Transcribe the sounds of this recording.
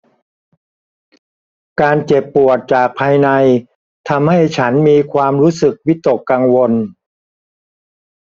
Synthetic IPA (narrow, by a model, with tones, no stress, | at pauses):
kaː˧nt͡ɕe˨˩pːu˨˩ət̪̚t͡ɕaː˨˩k̚pʰaː˧jna˧j | t̪ʰa˧mha˥˩jt͡ɕʰa˦˥nmiː˧kʰwaː˧mɾuː˦˥sɯ˨˩k̚wi˦˥t̪ːo˨˩kːaː˧ŋwo˧n